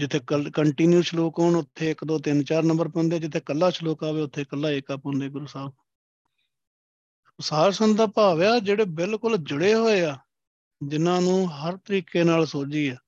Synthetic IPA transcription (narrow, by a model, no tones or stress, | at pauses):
d͡ʒɪt̪ʰːeːkəkəɳʈiːnjuːt͡ʃloːkʊɳʊt̪ʰːeːɪkd̪oːt̪ɪnt͡ʃaːɾnə̃mbəɾpɔ̃ːnd̪eaːd͡ʒɪt̪ʰːeːkəlːaːt͡ʃʰəloːkaːʋeːʊt̪ʰːeːkəlːaːeːkaːpõːnd̪eːɡʊɾuːsaːb | ʊsaːɾsənd̪aːpaːʋeːaːd͡ʒeːɽeːbɪlkʊld͡ʒəɽeːɦoːeːaː | d͡ʒɪnãːnũːɦəɾt̪əɾiːkeːnaːlsoːd͡ʒiːaː